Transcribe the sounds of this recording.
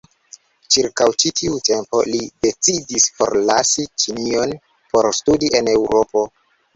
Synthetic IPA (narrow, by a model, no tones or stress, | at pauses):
t͡ʃiɾkawt͡ʃitʰiute̞mpo̞̰lide̞t͡sidisfo̞̰ɾlasit͡ʃinio̞n | po̞ɾstudiʔe̞ne̞wɾo̞po̞